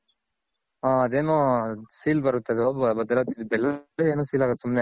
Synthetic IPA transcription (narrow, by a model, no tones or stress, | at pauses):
aːɐd̪eːnoːsiːlbɐɾut̪ːɐd̪eobɐd̪ɐlat̪ːid̪bɛlːɐleeːnuːsiːlaːɡot̪sumne